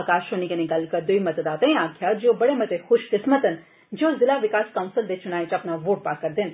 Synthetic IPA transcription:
kaːʃoːnikɐniɡɐlkɐd̪ʊimɐt̪d̪aːt̪ɐ̃ĩaːkʰjaːd͡ʒoːbɐɽemɐt̪exʊʃkɪsmət̪ən | d͡ʒoːzɪlaːʋɪkaːskãːʊ̃nsəld̪et͡ʃʊnaːit͡ʃɐpnaʋoːʈ̚paːɾkɐɾd̪ɪn

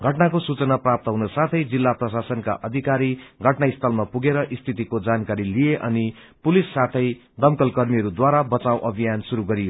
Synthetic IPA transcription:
ɡʱʌʈnakosut͡sʌnaprap̚t̪ʌɦunosat̪ʰʌjd͡zilːaprʌsasʌnka̰ʔʌd̪ʱikaɾiɡʱʌʈnaist̪ʰʌlmapuɡeɾʌʔist̪ʰit̪ikod͡zankaɾilijeʔʌ̰ni | pulisːat̪ʰʌj | d̪ʌmkʌlkʌrmiʌɾud̪waɾabʌt͡sawʔʌbʱijansuɾuɡʌɾijo

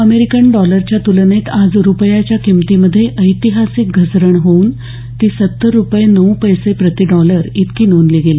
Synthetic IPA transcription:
əmeɾikəɳɖɔləɾt͡ɕjat̪ulnet̪ad͡zɾupəjat͡ɕjakimt̪iməd̪ʱːjeʔəjt̪iɦasik̚ɡʱəsɾəɳɦouːn | t̪iːsət̪ːəɾːupjenəwpəjsepɾət̪iɖɔləɾit̪kiːnonliɡeli

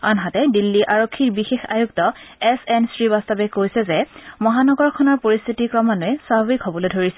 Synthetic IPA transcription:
ɔnɦatɛdilːiʔaɹokʰːiɹbixexa̰juk̚tɔɛsɛnsɹibast̪ɔbɛkojsɛzɛmɔɦanɔɡɔɹkʰɔnɔɹpoɹist̪ʰitikɹɔmanʊɛsabʱabikhɔbɔlojdʱoɹisɛ

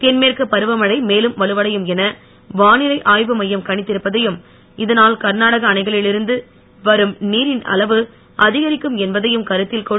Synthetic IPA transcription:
t̪ɛnmeːrkɯpɐɾɯʋɐmɐɽɐɪmeːlɯmʋɐlɯʋɐɽɐjɯmɛnɐ | ʋaːnɪɾɐɪʔaːjʋɯmɐjːɐmkɐɳɪt̪ːɪɾɯpːɐðɐjɯm | ɪðɐnaːlkɐɾnaːɽɐɣɐːnɐɪɣɐɭɪlɪɾɯnd̪ɯ | ʋɐɾɯmniːɾɪnɐ̰lɐʋɯ | ʔɐðɪɣɐɾɪkːɯmɛnbɐðɐjɯmkɐɾɯt̪ːɪlkɔ

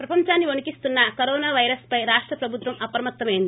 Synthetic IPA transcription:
pɾɐpɐɲt͡ʃaːnːionukist̪unːɐkoɾɔːnaːʋɐjɾɐspɐjɾaːʂʈɾɐpɾɐbʱut̪ʋɐmɐpɾɐmɐt̪ːɐmejind̪i

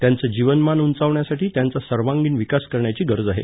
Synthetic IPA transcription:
t̪jant͡səd͡ʑiʋənmanunt͡saʋɳjasaʈiːt̪jãnt͡sasəɾʋãŋɡiːnʋikaskəɾɳjat͡ɕiːɡəɾd͡zaɦḛ

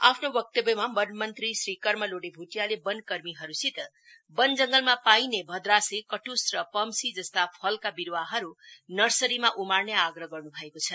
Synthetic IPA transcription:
a̰pʰnowʌk̚t̪ʌbjʌmamʌnmʌnt̪risɾikʌrmʌloɽebʱuʈijalebʌnkʌrmiɦʌɾusit̪ | bʌnd͡zʌŋɡʌlmapainebʱʌd̪ɾasikʌʈusrʌpʌmsid͡zʌst̪apʰʌlkabiɾwaɦʌɾunʌrsʌɾimaʔumarneaɡrʌɡʌrnubʱʌekot͡sʰʌ

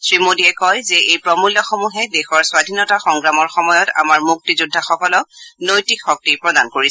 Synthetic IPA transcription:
sɹimodiɛkɔjzɛejpɹɔmulːɔxomuɦɛdexɔɹswadʱinɔtaxɔŋɡɹamɔɹxɔmɔjɔta̰maɹmuk̚tizudʱːaxɔkɔlɔnojtikxɔk̚tipɹɔdankoɹi

